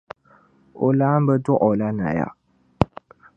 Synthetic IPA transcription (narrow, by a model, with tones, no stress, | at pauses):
o˨laː˦m˦bə˦tɔ˦ʔɔ˨la˦na̰˨ja̰˨